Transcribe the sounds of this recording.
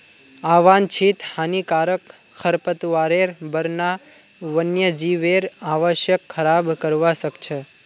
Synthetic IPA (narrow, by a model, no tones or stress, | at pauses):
aʋant͡ʃʰit̪hanikaɾək | xʰəɾpət̪ʋaɾeɾbəɾna | ʋənjəd͡ʒiʋeɾaʋəʃjəkʰːəɾabkəɾʋaʃəkt͡ʃʰe